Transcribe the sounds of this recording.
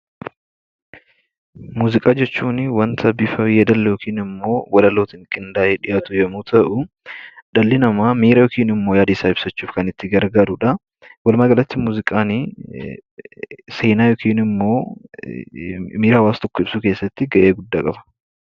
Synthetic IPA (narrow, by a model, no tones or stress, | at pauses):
muːzɪkʼaːd͡ʒɛt͡ʃːuːnwɐnt̪ʰɐbifɐjɛd̪ɐlːɛjɔkʰiːnɪmːo̞ːwɐlɐloːt̪ɪŋkʼɪnd̪aːʔeːᶑɪjaːt̪ʊjɛmuːt̪ʰɐʔʊ | d̪̥ɐlːɪnɐmaːmiːɾɐjɔkiːnɪmːo̞ːjaːd̪ɪsaːɪb̥sɐt͡ʃːuːfkɐnɪt̪ːɪɡɐɾɡaːɾʊᶑɐ | wɐlmaɡɐlɐt̪ːɪmuːzɪkʼaːnɪ | se̞ːnaːjɔkʰiːnɪmːo̞ː | miːɾaːwaːst̪ɔkːʊɪb̥suːkeːsːɐt̪ːɪɡɐʔeːɡʊd̪ːaːkʼɐbɐ̥